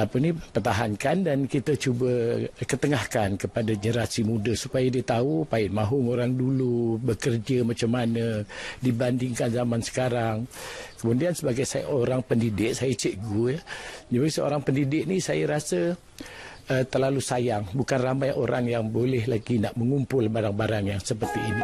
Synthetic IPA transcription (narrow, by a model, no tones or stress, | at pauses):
apənipərt̪aɦankandankit̪ət͡ʃubəkət̪əŋahkankəpadaəɲəɾasimudəsupajədiət̪aupaɪʔ̪̚maɦʊŋoɾaŋdulubəkərd͡ʒəmat͡ʃamːanədibandɪŋkanzamansə̥kaɾaŋkəmudiansəbaɡajsa̰ʔoɾaŋpəndidɪʔ̚sajət͡ʃəʔɡujəd͡ʒabisəo̰ɾaŋpəndidɪʔ̚nisajəɾasə | ət̪ərlalusajaŋbukanrambajʔoɾaŋjaŋbolɛhlaɡinaʔməŋumpʊlbaɾaŋbaɾaŋjaŋsəpərt̪iini